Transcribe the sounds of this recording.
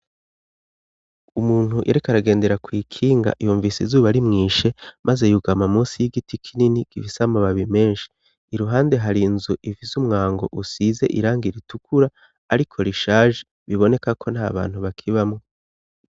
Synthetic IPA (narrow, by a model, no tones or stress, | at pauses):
umuːn̥huʔḛɾekaɾaɡe̞ːnde̞ɾakwiːkʰiːŋɡa̰ʔijuːɱviːsizuːβaɾimŋiːʃe̞mʔazejuɡamamuːsijiɡitikʰininikiβisamaβaβime̞ːnʃi̥ː | ɾuɦaːnde̞ɦaɾinzuʔivizumŋaːŋɡo̞̰ʔusize̞̰ʔiɾaːŋɡiɾitukʰuɾaː | ɾikʰo̞ɾiʃaːʒe | βiβo̞ne̞kakʰo̞n̥ha̰ːβa̰ːn̥huβakʰiβamŋo